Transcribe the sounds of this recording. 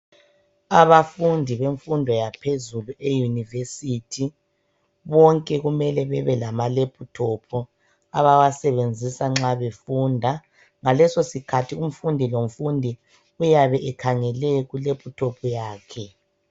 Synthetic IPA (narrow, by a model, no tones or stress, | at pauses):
aβafundʱiβeɱfundʱɔjapʰezuluejunivesitʰi | βɔŋkʼɛɣumɛlɛβɛβɛlamalepʰʼutʰɔpʰɔ | aβawasɛβend͡zʱisaŋ͡ǁaβefuːndʱa | ŋalɛsosikʰatʰium̩fundʱiloɱ̩fundʱi | ujaβɛʔɛkʰaŋɛlɛɣulepʰʼutʰɔpʰɔjaːkʰɛ